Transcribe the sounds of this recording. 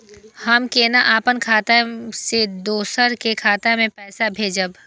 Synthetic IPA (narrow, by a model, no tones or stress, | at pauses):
hɐmkeːnaʔaːpənkʰaːt̪ased̪oːsəɾkekʰaːt̪amẽpɛːsabʱeːd͡ʒəb